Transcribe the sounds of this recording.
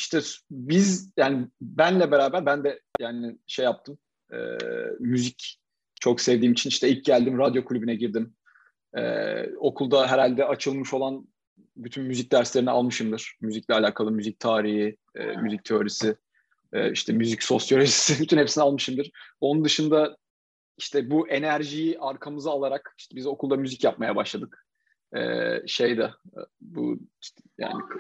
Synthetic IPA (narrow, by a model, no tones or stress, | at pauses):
iʃt̪ʰɛbizjaːnɪbænlʲɛbeɾaːbæɾbænd̪ɛjaːnɪʃejap̚t̪ʰɯm | ɛ̰ːyzic | t͡ʃʰo̞ksevd̪iːmit͡ʃʰiniʃt̪ʰɛilʲc̚ɟælʲd̪imɾad̪jo̞kʰulʲybynɛɟiɾd̪im | ɛ̰ːo̞kʰulˠd̪aɦɛɾalʲd̪ɛat͡ʃʰɯlˠmɯʃo̞lˠan | byt̪ʰynmyzic̚d̪æɾslʲe̞ɾinialˠmɯʃɯmd̪ɯɾ̥myziclʲɛalʲaːkʰalˠɯmyzic̚t̪ʰaːɾiɦi | ɛ̰ːmyzic̚t̪ʰeo̞ɾisɪ | ɛ̰ːiʃt̪ʰɛmyzicso̞sjoɾesi̥sɪbyt̪ʰynhe̞psinɛalˠmɯʃɯmd̪ɯɾ̥o̞nund̪ɯʃɯnd̪a | iʃt̪ʰɛbuʔe̞næɾʒijiʔaɾkʰamɯzaalˠaɾakiʃt̪ʰɛbizo̞kʰulˠd̪amyzicjap̚majabaʃlˠad̪ɯk | ɛ̰ːʃe̞jd̪ɛbṵiʃt̪ja̰ːnɪ